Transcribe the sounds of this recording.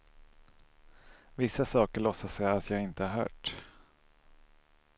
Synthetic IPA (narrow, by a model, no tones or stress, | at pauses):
vɪsːasɑːkəɭɔsːasɛjat̪ʰjɑːɡɪnt̪əhaɾhœ̰ːʈ